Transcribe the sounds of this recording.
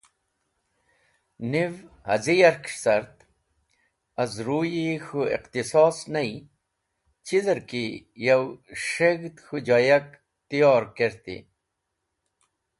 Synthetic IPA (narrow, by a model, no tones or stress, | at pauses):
niv | hɐzijɐɾkʂsɐɾt̪ | ɐzɾuːjixuḭqt̪isɔːsnɐi | t͡ɕizɐɾkijɐwʂeɡt̪xud͡ʑajɐk | t̪ijoːɾkeɾt̪ḭ